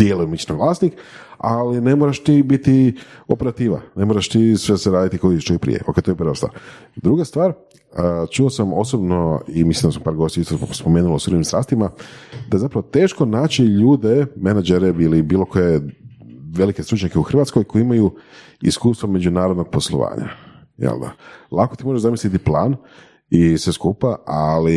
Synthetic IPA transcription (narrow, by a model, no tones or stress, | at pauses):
d̪̥jelujumit͡ʃnoʋlˠaːsnikaline̞moɾaʃt̪ibit̪i | opeɾat̪iːʋa̰ne̞moɾaʃt̪isʋeseɾaːd̪it̪ikoiʃtoipɾḭjḛo̞kejt̪ojepəɾʋast̪va̰ːɾ | d̪ɾuɡast̪ʋaːɾ | t͡ʃuosamo̞̰sobno̞imislimnd̪asampaːɾɡo̞st̪jiist̪ospomeːnulosuɾoimst̪ɾa̰ːst̪imad̪azapɾaʋot̪e̞ːʃko̞naːt͡ʃiʎuːd̪emenad͡ʒeɾeilibiːlˠo̞koje | ʋe̞like̞st̪ɾut͡ʃɲakeuxr̩ʋat̪sko̞jkoiimaju | ḭskuːst̪ʋome̞d͡ʑunaːɾod̪noɡ̚po̞slˠo̰ʋa̰ːɲa̰ | jḛld̪a̰lˠakot̪imoʒeʒzamislit̪iplaːn | isʋeskupaali